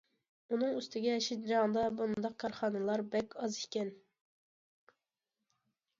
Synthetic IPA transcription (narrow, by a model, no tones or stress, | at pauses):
unɨŋyst̪ɪɡʲɛʃit̪̚d͡ʒɑŋd̪ɑbund̪ɑq̚kʰːɑɾχɑnɨlˠɑɾbɛkʲɑzikʲɛn